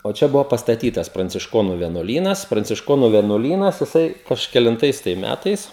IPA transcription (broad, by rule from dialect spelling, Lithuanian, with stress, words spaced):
oː ˈt͡ʃʲɛ ˈbʊʋoː pɐstɐˈtʲiːtɐs prɐnʲt͡sʲɪʃˈkoːnʊ ʋʲiɛnuɔˈlʲiːnɐs prɐnʲt͡sʲɪʃˈkoːnʊ ʋʲiɛnuɔˈlʲiːnɐs jɪˈsɐɪ kɐʃʲkʲɛlʲɪnˈtɐɪs tɐɪ ˈmʲætɐɪs